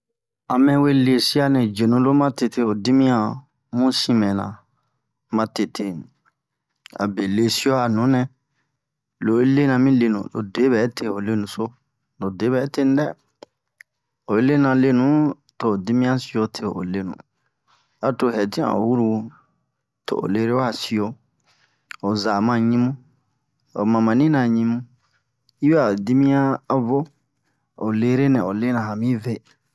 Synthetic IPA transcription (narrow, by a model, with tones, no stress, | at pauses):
a˨mɛ̃˦we˦le˧si˦a˦nɛ̃˨d͡ʒe˨nũ˨lo˦mã˦te˧te˦o˨di˦mĩ˦ã˧ | mũ˦sĩ˦mɛ̃˨nã̰˨ | mã˧te˨tʰe˧ | a̰˨be˨le˨si˦o˦a˨nũ˨˦nɛ̃˨ | lo˨we˦le˦nã˧mĩ˦le˧˨nṵ̃˨lo̰˨de˨˦βɛ˨˦tʰe˧o˨le˦nũ˨so˦ | lo˨de˨˦bɛ˨˦te˦ñ˦dɛ˦ | o˨e˦le˦nã˧le˦nũ˨˦ | to˨di˦mĩ˦ã˦si˦o˧tʰe˨o˨o̰˨le˦nṵ̃˨ | a˨to˨hɛ˨tĩ˦ã̰˨o̰˨wu˦ɾu˧ | tʰo̰˨ʔo̰˨le˦ɾe˦wa˦˨si˨o˧ | o˨za˨mã˧˨ɲĩ˦mũ˦ | o̰˨mã˨mã˨nĩ˦nã˨ɲĩ˧mũ˦ | i˦bɛ˦a˨di˦mĩ˦ã˦a˦vo˦ | o˨le˦ɾe˦nɛ̃˨o˨le˦nã˨ɦa˨mĩ˦ve˦